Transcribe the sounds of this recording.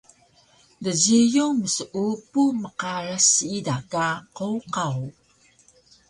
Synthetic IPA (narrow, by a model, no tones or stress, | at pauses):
dəzijuməsʔupuməqaɾasidakaqowqaw